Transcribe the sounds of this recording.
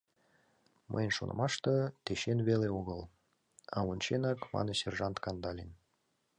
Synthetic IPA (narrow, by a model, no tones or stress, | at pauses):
mə̰jnʃo̰nɤ̰̆mɑʃt̪ɤt̪eʃenβeleoɣəl | ɑunʲt͡ɕenɑkmɑ̰nɤserʒɑnt̪kɑnd̪ɑlʲen